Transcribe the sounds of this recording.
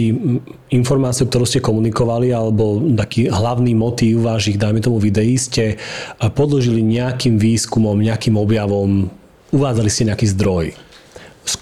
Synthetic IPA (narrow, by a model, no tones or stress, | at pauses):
i | infɔɾmaːt͡siukt̪ɔɾuʊscɛkɔmunikɔʋalialɛbɔt̪akiːɦlaʊniːmɔt̪iːʊʋaːʃiɣd̪ajmɛt̪ɔmuʋid̪ɛjiscɛpɔd̪lɔʒiliɲɛakiːmʋiːskumɔmɲɛakiːmɔbjaʋɔm | uʋaːd͡zaliscɛɲɛakiːzd̪ɾɔj | s